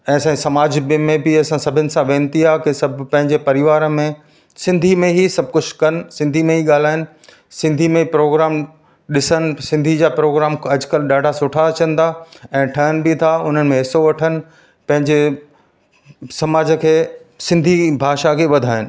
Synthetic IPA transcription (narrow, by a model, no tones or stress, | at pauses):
ɛ̃ːsãsɐmaːd͡ʑbmẽbiɐsãsɐbʱɪnɪ̆sãʋẽːnt̪iakesɐbʱpɐ̃ɦɪ̃ɲd͡ʑepɐɾɪʋaːɾmẽ | sɪ̃nd̪ʱimẽɦisɐb̚ʱkʊt͡ɕʰkɐnɪ̆sɪ̃nd̪ʱimẽɦiɠaːl̤aːɪnɪ̆ | sɪ̃nd̪ʱimẽpɾoːɡɾaːm | ɗɪsənɪ̆sɪ̃nd̪ʱid͡ʑaːpɾoːɡɾaːmɐd͡ʑkəlɗaːɖʱasʊʈʰat͡ɕə̃nd̪aɛ̃ːʈʰɐɦənɪ̆bɪt̪ʰaʊn̤ənɪ̆mẽɦɪsoʋɐʈʰənɪ̆ | pɐ̃ɦɪ̃ɲd͡ʑe | sɐmaːd͡ʑə̆kʰeːsɪ̃nd̪ʱibʱaːʃakʰeːʋɐd̪ʱaːɪnɪ̆